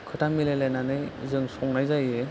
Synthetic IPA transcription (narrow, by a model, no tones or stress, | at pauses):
kʰɯtamilajlajnanɯjzɯŋsɔŋnajzajɯ